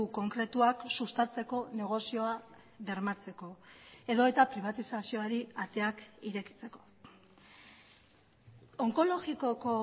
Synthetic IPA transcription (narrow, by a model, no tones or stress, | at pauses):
uko̞ŋkɾe̞t̪uaksust̪at͡se̞ko̞ne̞ɣ̞o̞sio̞a | ðe̞ɾmat͡se̞ko̞e̞ðo̞e̞t̪apɾiβ̞at̪isasio̞aɾiat̪e̞akiɾe̞ki̥t͡se̞ko̞̥ | oŋko̞lo̞ɣiko̞ko̞